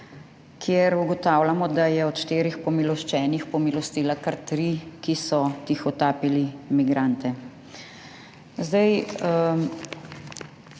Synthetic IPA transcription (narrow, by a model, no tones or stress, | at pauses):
kʰjeɾuɡɔt̪aːwlamɔd̪ajɛɔt̪ʃt̪eːɾixpɔmilɔʃt͡ʃɛːnixpɔmilɔst̪iːlakaɾt̪ɾikisɔt̪ixɔt̪aːpilimiɡɾant̪ɛ | zd̪ɐj